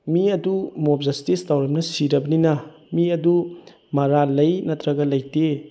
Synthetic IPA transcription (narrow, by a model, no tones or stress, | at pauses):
miɐdumop̚zɐstistawɾɐmnɐsiɾɐbɐninɐ | miɐdu | mɐɾalɐjnɐtɾɐɡɐlɐjte